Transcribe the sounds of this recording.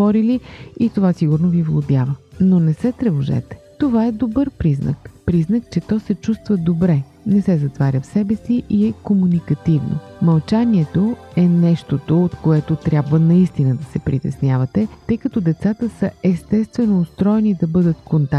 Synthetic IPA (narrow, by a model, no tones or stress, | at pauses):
ɔɾiliit̪ovasiɡʊɾnovivlˠob̪ʲjavənonɛsɛt̪ɾɛvoʒɛ̰t̪ɛ̥t̪ovaɛd̪obɤɾpɾiznə̰kpɾiznək̚t͡ʃɛt̪ɔsɛt͡ʃust̪vəd̪obɾɛ | nɛsɛzɐt̪vaɾʲəfsɛbɛsiʔiɛkomunikɐt̪ivno̰mɐlˠt͡ʃaniɛt̪oɛnɛʃt̪ot̪oot̪koɛt̪ot̪ɾʲjabvənɐist̪inəd̪ɐsɛpɾit̪ɛsnʲjavət̪ɛt̪ɤjkɐt̪ɔd̪ɛt̪sat̪əsəɛst̪ɛst̪vɛnoːst̪ɾɔɛnid̪ɐbɤd̪ət̪kont̪a